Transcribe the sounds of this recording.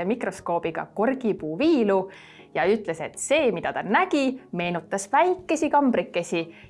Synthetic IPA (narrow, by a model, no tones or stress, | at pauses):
emikro̞sko̞ːb̥iɡ̥ɑ̰korɡ̥ipuːviːlu | jɑyt̪ːˑle̞se̞t̪se̞ːmid̪ɑt̪ɑnæɡ̥ime̞ːnut̪ːˑɑsvæjkːe̞sikɑmb̥ɾikːˑe̞sʲi